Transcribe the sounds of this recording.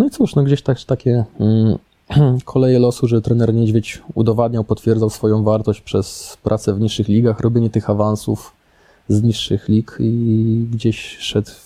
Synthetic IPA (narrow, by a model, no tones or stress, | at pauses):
nɔit̪suʂnɔɡd͡ʑeɕt̪aɡʐ̥t̪akʲɛ | kʰɔlɛjɛlɔsuʐɛt̪ɾɛnɛɾɲɛd͡ʑvʲet͡ɕud̪ɔvad̪̚ɲawpɔt̪fʲjɛɾd̪zawsfɔjɔ̃w̃vaɾt̪ɔɕt͡ɕpʂɛspɾʔat̪sɛvɲiʂːɘxlʲiɡaxɾʔɔbʲjeɲɛt̪ɘxavansuf | zɲiʂːɘxlʲikiɡd͡ʑeɕʂɛt̪